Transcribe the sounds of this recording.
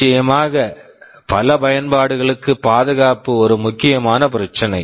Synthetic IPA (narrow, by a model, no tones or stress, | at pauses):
ɐjɐmaːɣɐ | pɐlɐpɐjɐnbaːɽɯɣɐɭɯkːɯpaːðɯɣaːpɯɔɾɯmʊkːɪjɐmaːnɐp̬ɪɾɐt͡ʃːɐnɐɪ